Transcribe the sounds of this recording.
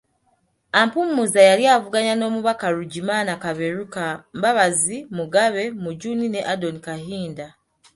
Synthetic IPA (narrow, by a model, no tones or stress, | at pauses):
ampumːuzajaljaːvuɡaɲano̞ːmuβakaɾuɟimaːnakaβe̞ɾukambaβazimuɡaβe̞muɟunine̞ʔadonikaɦiːnda